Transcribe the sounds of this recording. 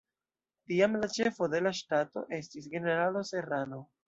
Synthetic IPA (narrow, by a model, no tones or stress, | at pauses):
tiamlat͡ʃe̞fo̞de̞laʃtato̞̰ʔe̞stis̬ɡe̞ne̞ɾalo̞se̞ɾano̞